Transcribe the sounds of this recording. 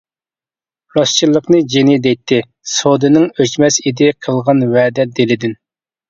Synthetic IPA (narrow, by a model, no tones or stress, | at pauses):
ɾɑst͡ʃʰilˠːəqnɨd͡ʒenid̪ɛjt̪ʰːɪ | sod̪ɨnɪŋøt͡ʃmɛsid̪ɪqʰəlˠʁɑnwɛːd̪ɛd̪elɪd̪ɪn